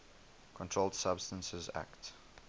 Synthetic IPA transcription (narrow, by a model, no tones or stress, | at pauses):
kʰɔ̃ntʰɹ̥olˠd̥sabstə̃nsəzæ̰kt